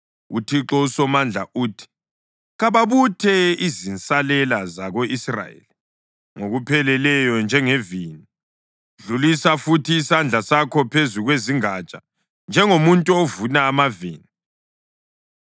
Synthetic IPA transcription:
ṵtʰiǁɔusɔmand͡ɮʱa̰ʔuːtʰi̥ | ɣaβaβutʰɛizint͡sʼalɛlazaɣoʔisra̰jḛli | ŋoɣupʰɛlɛlɛjɔnd͡ʒʱɛŋevini | ɮulisafutʰiːsand͡ɮʱasakʰɔpʰezuɣweziŋat͡ʃʼa | nd͡ʒʱɛŋomuntʼuovunaːmaviːni

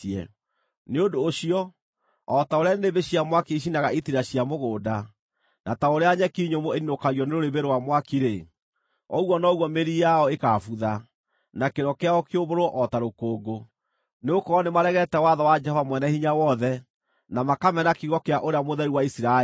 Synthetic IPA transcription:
ɛ̰ | neondoːɕiɔ | ɔtaoɾeaneneβeɕiamwakiiʃ̬inaɣaitiɾaɕiamoɣoːda | nʔataoɾeaɲɛkiɲomoeninokaɣjɔneɾoɾeβeɾowamwakiɾe | ɔ̰ɣwɔnɔɣwɔmeɾijaɔekafuða | nakeɾɔkeaɔkeoβoɾwɔʔɔtaɾokoːɡo | neokɔːnemaɾɛɣɛtɛwaðɔwad͡ʒɛhɔvamwɛnɛhiɲawɔðɛ | namakamɛnakiɣɔkeaʔoɾeamoðɛɾiwaisiɾa

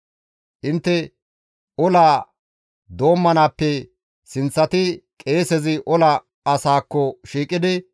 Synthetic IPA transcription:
ʔɪnt̪ːɛ | ʔɔlaː | d̪o̞ːmːɐnaːpːɛ | sɪnt͡sːɐt̪ɪkʼe̞ːsɛzɪʔɔlɐ | ɐsaːkːɔʃiːkʼːɪd̪ɪ

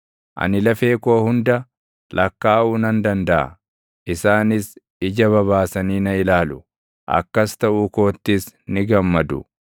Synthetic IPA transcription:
ʔɐ̰nɪlɐfe̞ːkoːhʊnd̪ɐ | lɐkːaːʔuːnɐnd̪ɐnd̪ɐʔɐ̰ | ʔɪsaːnɪs | ɪd͡ʒɐβɐβaːsɐniːnɐɪlaːlʊ | ʔɐ̰kːɐst̪ɐʔuːko̞ːt̪ːɪsnɪɡɐmːɐd̪ʊ̰

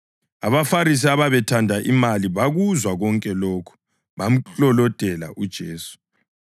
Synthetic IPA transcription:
a̰βafaɾis̬iaβaβɛtʰandʱaʔimaliβaɣuzwaɣɔŋkʼɛloːkʰu̥ | βam̩t͡ɬɔlɔd̥ʱɛla̰ʔud̥ʒ̥ʱeːsu̥

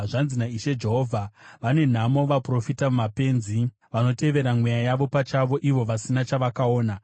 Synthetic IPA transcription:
ʐanzinaiʃe̞d͡ʒe̞ɦo̞vʱaʋane̞n̤amo̞ʋapro̞fitamumape̞nzi | ʋano̞te̞ʋe̞ɾamwejajaʋo̞pat͡ʃaʋo̞ʔiʋo̞ʋasinat͡ʃaʋakao̞ːna

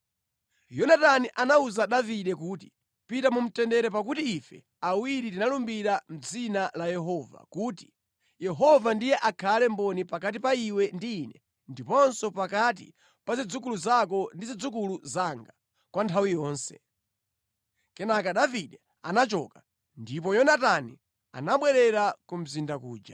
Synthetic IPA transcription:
jɔnataniʔanauzaɗaviɗɛkuːti̥ | pitamum̩tɛndɛɾɛpak̬utiːfɛ̰ | awiɾitinalumbiɾam̩d͡zinalajɛɦɔva̰kuːti̥ | jɛɦɔvandijɛʔakʰalɛmbɔnipakat̬ipaiwɛndiːnɛ | ndipɔnsɔpakat̬ḭ | pazid͡zukuluzakɔndizid͡zuk̬uluzaŋɡa | kwantʰawijɔːnsɛ̥̰ | kɛnakaɗaviɗɛ | anat͡ʃɔ̰ka | ndip̬ɔjɔnatani | a̰naɓwɛɾɛɾakum̩zindakuːd͡ʒa

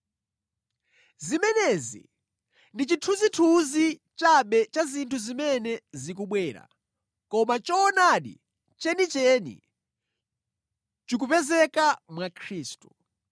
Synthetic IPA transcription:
zimɛnɛzḭ | ndit͡ʃitʰuzitʰuzi | t͡ʃaɓɛt͡ʃazintʰuzimɛnɛzik̬uɓwɛːɾa̰ | kɔmat͡ʃɔːnaɗḭ | t͡ʃɛnit͡ʃɛnḭ | t͡ʃik̬upɛzɛkamwakʰɾiːstu

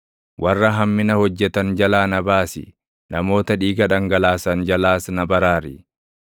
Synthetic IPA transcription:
wʔɐrːɐɦɐmːɪnɐhɔd͡ʒːɛt̪ɐnd͡ʒɐlaːnɐbaːsɪ̰ | nɐmo̞ːt̪ɐᶑiːɡɐᶑɐŋɡɐlaːsɐnd͡ʒɐlaːsnɐbɐɾaːɾɪ̰

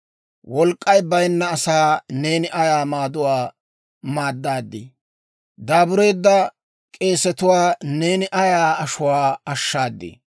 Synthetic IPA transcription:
wɔlkʼːɐjbɐjnːɐːsaːne̞ːnɪʔɐjaːmaːd̪ʊwaː | maːd̪ːaːd̪ːɪ̰ | d̪aːbʊɾejd̪ːɐ | kʼe̞ːsɛt̪ʊwaːne̞ːnɪʔɐjaːɐʃʊwaːɐʃːaːd̪ːḛː

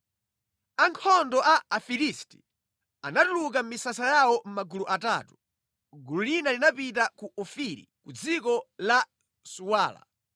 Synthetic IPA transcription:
aŋkʰɔndɔʔaafilisti̥ | anatuluk̬am̩misasajawɔm̩maɡuluʔatatu̥ | ɡululinalinapit̬akuɔfiɾḭkud͡zikɔla | suwaːla̰

